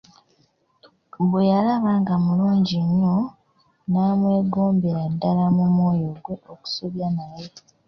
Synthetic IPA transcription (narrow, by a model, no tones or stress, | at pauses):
βwejalaβaːŋɡamuluːɲɟiɲːo̞ | naːmwe̞ːɡo̞ːmbeɾadːalamumwo̞ːjo̞ɡwe̞oku̥soβjanaje